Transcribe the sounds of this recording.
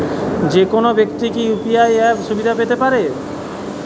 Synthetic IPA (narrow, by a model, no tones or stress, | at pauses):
d͡ʑekonobekt̪ikiupiajɛpʃubid̪ʱapet̪epaɾe